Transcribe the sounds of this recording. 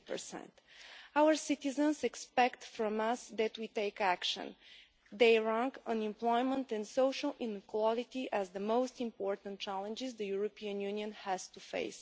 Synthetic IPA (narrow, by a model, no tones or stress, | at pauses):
pə̰˞sɛ̰̃nt̪ | awəɹsit̪izə̃nsɛkspɛkt̪fɾɔ̃mʌsd̪æt̪wit̪eɪkækʃə̰̃n | d̪eɪɹãŋkə̃nɪ̃mplɔɪmə̃nt̪ɛ̃nsoʊʃəlˠɪ̃nkwɔlit̪iʔæzðəmoʊstɪ̃mpɔɹt̪ə̃nt̚t͡ʃælˠə̃nd͡ʒɪzd̪əjuɹopiə̃njʉniə̃nhæz̥t̪ufḛɪs